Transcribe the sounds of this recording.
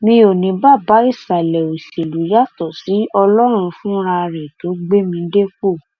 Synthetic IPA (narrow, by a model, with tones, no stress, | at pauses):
mĩ˧o˨nĩ˨˦ba˦˨ba˨˦i˦˨sa˨lɛ˨o˨se˨lu˨˦ja˦˨tɔ˦˨si˨˦ɔ˧lɔ˦ɾ̃ũ˧fũ˦ɾa˧ɾẽ˨to˨˦ɡ͡be˦mĩ˧˦de˦fo˦˨